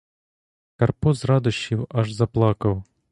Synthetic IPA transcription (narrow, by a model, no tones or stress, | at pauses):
kɐrpɔzrɑd̪ʊʃiwɐʒzɐplˠɑkɐw